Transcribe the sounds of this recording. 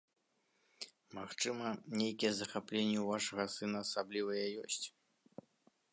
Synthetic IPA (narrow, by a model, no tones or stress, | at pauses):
maxt͡ʂɨmɐnʲejkʲijɛzɐxaplʲenʲːɛuvaʂɐɣɐsɨnɐːsablʲivɐjɛjɔsʲt͡sʲ